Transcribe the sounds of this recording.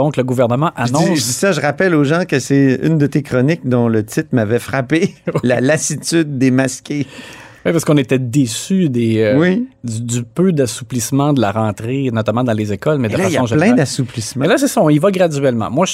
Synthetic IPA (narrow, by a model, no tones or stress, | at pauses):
ɔ̃kləɡuvɛʁnəmɑ̃ʔaʒnɔĩʒd̪isaʒəʁapɛloʒɑ̃kəsɛy̰nd̪ət̪ekʁɔnɪk̚d̪ɔ̃lət̪ɪt̪χmavɛfʁapelalasit̪yd̪ːemaskʲewɛpaʁsəkɔ̃net̪ɛd̪esyd̪ewid̪ypød̪asu̥plismɑ̃d̪əlaʁɑ̃t̪ʁenɔt̪amɑ̃d̪ɑ̃lezekɔlmɛd̪liljaɔ̃ʒplɛ̃d̪asuplismãlasɛsʌɔ̃ivaɡʁad̪yɥɛlmɑ̰̃mwa